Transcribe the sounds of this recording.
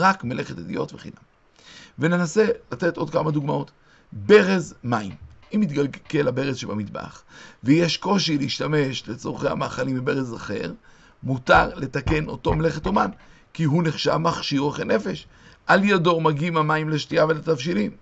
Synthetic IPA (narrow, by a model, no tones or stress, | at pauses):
ʁakmele̞χet̪ed̪ḭʔo̞̰tveχinam | vene̞nase̞late̞t̪o̞dkamad̪uɡmao̞t̪ | be̞ʁezmaimimit̪ɡalkelabe̞ʁezʃebamid̪ba̰χvejeʃko̞ʃileiʃt̪ame̞ʃle̞t͡so̰ʁχeha̰maːχalimibe̞ʁezaχe̞̰ʁ | mutaʁle̞t̪ake̞no̞̰to̞mele̞χeto̞man | kiɦune̞χʃa̰vmaχʃiʁoχene̞fe̞ʃ | ʔaljado̞ʁmaɡimamaimleʃtiavelet̪afʃilim